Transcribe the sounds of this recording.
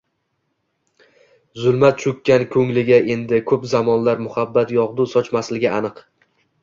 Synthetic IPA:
zʊlˠmat̪̚t͡ʃʰʊkʲːankʲʰɵŋlɪɡʲaʔe̞nd̪ɪkʰɵpzamɒnlaɾmʊhabːat̪jɒʁd̪usɒt͡ʃmaslɪɡʲɪanɨq

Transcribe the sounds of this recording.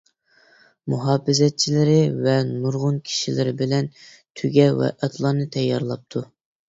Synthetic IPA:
muɦɑːfɪzɛt̪̚t͡ʃʰilɪɾɪvɛnuɾʁʊnkʲʰi̥ʃilɪɾɪbɪlɛn | t̪ʰyɡʲɛwɛ̰ʔɛt̪ʰlˠɑːnɨt̪ʰɛjːɑ̰ɾlˠɑp̚t̪ʰu

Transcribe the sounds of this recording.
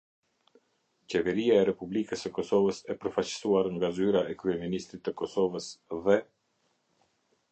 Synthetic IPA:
t͡ɕɛvɛɾiaɛɾɛpublikəsəkɔsɔvəsɛpəɾfat͡ɕə̥suaɾŋɡazyɾaɛkɾyɛminist̪ɾit̪ːəkɔsɔvəsðɛ

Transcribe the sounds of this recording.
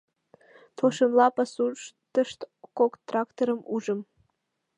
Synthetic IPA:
t̪ʰoʃɤmlˠɑpɑsuʃt̪əʃt̪kokt̪rɑkt̪oɾəmuʒəm

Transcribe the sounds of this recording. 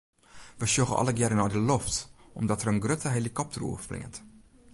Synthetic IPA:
ʋəʃjoɣə̰ɔ̰ləɡjɛɾənɔjdəlɔftʔɔmdɔtəɾənɡrøtəɦelikɔp̚trṵəflɪ̰ŋənt

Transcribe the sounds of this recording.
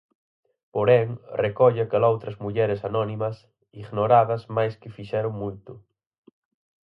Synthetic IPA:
poɾɛŋrekɔʎakalowt̪ɾɐzmuʎɛɾɪsanɔnimɐs | iɣnoɾaðɐsmajskɪfiʃɛɾʊŋmujt̪ʊ

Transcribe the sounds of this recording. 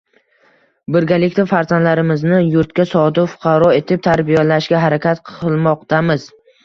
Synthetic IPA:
bɪɾɡʲalɪkʲt̪afaɾzanlaɾɪmɪznɪjʊɾt̪kʲasɒd̪ɪfʊ̥qʰɑɾɒe̞t̪ʰɪp̚t̪ʰaɾbijalaʃɡʲaɦaɾakʲat̪qʰɨlˠmɒqt̪ʰamɪz̥

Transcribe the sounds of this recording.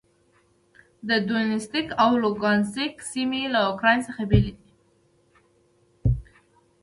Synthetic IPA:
d̪əd̪unɪst̪ikawloɡɑnsiksimelaʊkɾɑjnsəxabeled̪i

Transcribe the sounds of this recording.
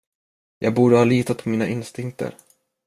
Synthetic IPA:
jʔɑːɡ̚buːɖəhɑːliːt̪at̪̚pʰɔmiːnaʔɪnst̪ɪŋk̚t̪ə̰ɾ

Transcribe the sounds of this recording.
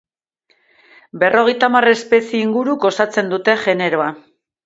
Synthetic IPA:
be̞rʔo̞ɣe̞jt̪amare̞spe̞sieiŋɡuɾuko̞sat͡se̞nd̪ut̪e̞ʝe̞ne̞ɾo̞a

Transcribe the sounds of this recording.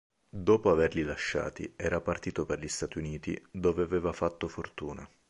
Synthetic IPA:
d̪oːpoaverlilaʃːa̰ːt̪ḭɛːɾapart̪iːt̪operʎist̪aːt̪iuniːt̪ḭd̪oːveavɛːvafat̪ːofort̪uːna̰

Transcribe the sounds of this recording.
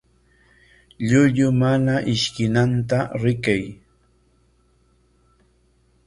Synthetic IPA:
ʎʊʎʊmanaʔɪʃkɪnant̪aɾɪkaj

